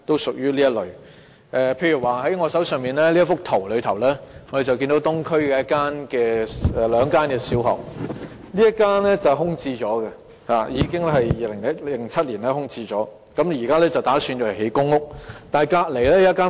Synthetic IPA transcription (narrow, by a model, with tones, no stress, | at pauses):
t̪o˥wsʊ˨k̚jyː˥liː˥jɐ˥t̚lɵ˨ɥ | ʔɛː˨˧pʰe˧jy˨˩waː˨ɦɐ˨˥jŋɔː˨˧sɐ˨˥wsœː˨ŋmiː˨nlɛː˥li˥ɐ˥fʊ˥k̚t̪ʰo˨˩wlɵ˨˧ɥt̪ʰɐ˨˩wlɛː˥ŋɔ˧de˨jt͡sɐ˨wki˧nd̪wt̪ʊ˥ŋkʰɵ˥ɥkɛː˧jɐ˥kaː˥nkɛː˧ɛ˨lœː˨˧ŋkaː˥nkɛː˧siː˨˥wɦɔ̰ː˨˩k̚ | liː˥jɐ˥kaː˥nɛ˥t͡sɐ˨wɦʊ˥ŋt͡siː˧t͡ʃɔː˨˥kɐ˧ | haː˨jiː˨˧kɪ˥ŋ˥ɦɐ˨jjiː˨˧lɪ˨˩ŋɐ˥llɪ˨˩ŋt͡sʰɐ˥t̚liː˨˩nlɛː˥hʊ˥ŋt͡siː˧t͡ʃɔː˨˥ | kɐ˨˧˥mji˨˩kaː˥lɛː˥t͡sɐ˨wt̪aː˨˥syː˧njɔː˨˧ɐ˨˩he˨˥jkʊ˥ŋːʊ˥k̚t̪aː˨jkaː˧t̚le˨˩jlɛː˥jɐ˥ɐ˥kːaː˥